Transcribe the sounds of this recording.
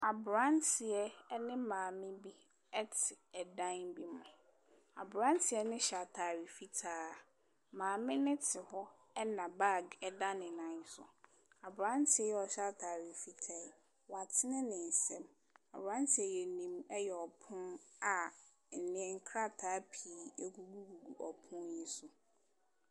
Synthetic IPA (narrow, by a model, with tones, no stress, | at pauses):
a˨bʊ˨ɾã˦ntʰɪ˨ɛ˦nɪ̃˦mãː˨mɪ̃˦bi˦ | ɛ˦tʰɪ˨ɛ˨dã˦nbi˦mʊ̃˨ | a̰˨bɾã˦n˦tʰɪ˨˦ɛ˦nɪ̃˦ɕa˨tʰa˨ɾi˨fi˦tʰaː˦a˨ | mãː˨mɪ̃˦nɪ̃˦tʰɪ˨hɔ˦ | ɛ˦nã˨ba˦˨ɡɛ˦dã˦nɪ̃˨nã˨˦n˦sʊ̰˨ | a˨bʊ˨ɾã˦n˦tʰɪ˨˦ɛ˦jɛ˦ɔ˨ɕa˦tʰaː˨ɾi˨fi˦tʰa˦˨ | wa˨tʰɪ˦nɪ̃˦nɪ̃˨n̩˨sɛ̃˦m | a̰˨bɾã˦ntʰɪ˨ɛ˨jɛ˨nĩ˨mɛ˦jɛ˨ɔ˨pʰʊ̃˦na˨ | n̩˨nɪ̃˨˦ɛ˦ŋ̩˦kʰɾa˦tʰaː˨˦pʰi˨e˦ɡu˨ɡu˦ɡu˨ɡu˨ɔ˨pʰʊ̃˦nji˦sʊ˨